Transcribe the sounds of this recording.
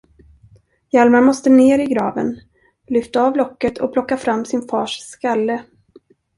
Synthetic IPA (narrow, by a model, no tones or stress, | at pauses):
jalmamɔst̪əneːɾɪɡɾɑːvə̰n | lʏft̪aɑvlɔkːət̪ʰɔ̰pʰlɔkːafɾamːsɪnfɑːʂskalːə